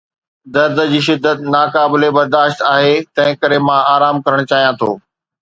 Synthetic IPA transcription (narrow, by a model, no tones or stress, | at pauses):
d̪ɐɾd̪əd͡ʑiːʃ̬ɪd̪ːət̪naːkaːbɪlebɐɾd̪aːʃt̪aːɦet̪ɐ̃ɦɪ̃kɐɾemãaːɾaːmkɐɾəɽ̃t͡ɕaːɦijãt̪ʰoː